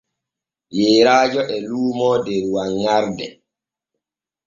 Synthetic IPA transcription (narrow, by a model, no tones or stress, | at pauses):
jeːɾaːd͡ʒɔʔɛluːmɔdɛɾwaŋːaɾdɛ